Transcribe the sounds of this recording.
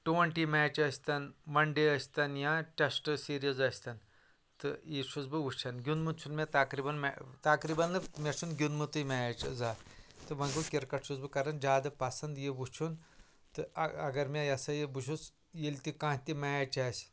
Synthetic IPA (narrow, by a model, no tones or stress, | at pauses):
ʈuʋɐɳʈimaːt͡ʃɐsʲt̪ɐnmɐɳɖeɐsʲt̪ɐnjãʈʲɐsʈɨsiːɾiɐzɐsʲt̪ɐn | t̪ɨjiʃut͡sbɨʋut͡ʃʰɐnɡʲunmɨt͡ʃʰunmʲet̪ɐkɾibɐnmat̪ɐkɾibɐnlɨmʲɐt͡ʃʰunɡʲunmɨt̪ɨmʲat͡ʃzaːt̪ɨmɐŋɡɨkʲiɾkɐʈʃʰuzbɨkɐɾɐnd͡ʒaːd̪ɐpɐsɐnd̪jibut͡ʃʰun | t̪ɨɐɡɐɾmʲajɐsɐjibuʃ̬us | jilʲt̪ʲikãːɦt̪ʲimɛːt͡ʃɐːsʲ